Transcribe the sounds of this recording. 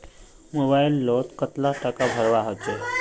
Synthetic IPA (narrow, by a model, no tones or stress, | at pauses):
mobailːot̪kət̪laʈəkabʱəɾʋaɦət͡ɕe